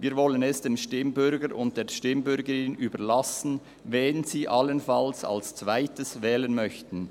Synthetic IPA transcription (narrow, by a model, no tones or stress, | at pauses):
viːɾvɔlənɛsd̥eːmʃtɪmbʏɾɡəɾʊnt̚d̥eːɐʃtɪmbʏɾɡəɾɪnnyːbəɾlasn̩ | vɛnziːʔalənfalsa̰lst͡sv̥aɪtəsvɛːlənmœçtn̩